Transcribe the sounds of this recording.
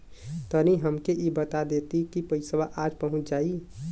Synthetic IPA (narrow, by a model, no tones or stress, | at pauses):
t̪əniɦəmkeʔibət̪ad̪et̪ikipəjsəbaʔad͡ʒpəɦʊ̃t͡ʃʰd͡ʒaːi